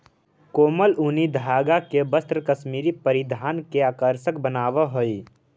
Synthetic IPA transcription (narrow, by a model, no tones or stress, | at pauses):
koːməlunid̪ʱaːɡakebəst̪ɾəkəʃmiːɾipəɾɪd̪ʱaːnkeaːkəɾʃəkbənaːʋəɦoi